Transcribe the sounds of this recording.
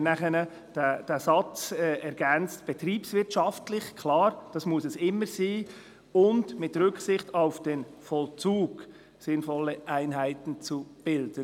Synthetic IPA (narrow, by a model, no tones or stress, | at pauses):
næχənə | d̥ɛd̥ɛsɑt͡sɛɛɾɡ̥ɛnt͡stb̥ɛtɾiːpsvɪtʃɑftlɪçkʰlɑːɾd̥ɑsmʊsɛsɪmːəɾsiː | ʊndmɪtɾʏksɪχtaʊfd̥enfɔlt͡suːɡ̥ | sɪnfɔlːəʔæɪnɦæɪtn̩t͡sub̥ɪld̥ən